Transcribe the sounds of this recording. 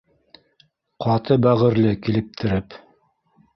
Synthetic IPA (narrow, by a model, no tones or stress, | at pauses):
qɑt̪ɤbæʁɘ̆ɾlɘkilɘ̆p̚t̪ʰɘ̆ɾɘp